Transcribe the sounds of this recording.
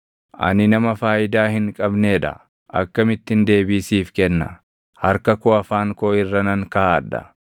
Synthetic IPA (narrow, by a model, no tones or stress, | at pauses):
ʔɐ̰nɪnɐmɐfaːʔɪd̪aːhɪŋkʼɐbneːᶑɐ̰ | ʔɐ̰kːɐmɪt̪ːɪnd̪e̞ːbiːsiːfkɛnːɐ̰ | hɐɾkɐkoːɐfaːŋkoːɪrːɐnɐŋkaaːᶑɐ̰